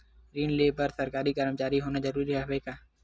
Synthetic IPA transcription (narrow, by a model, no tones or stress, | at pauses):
ɾiːnleːpɐɾsɐɾkaːɾikəɾmt͡ʃaːɾiɦoːnazɐɾuːɾiɦɛɦekaː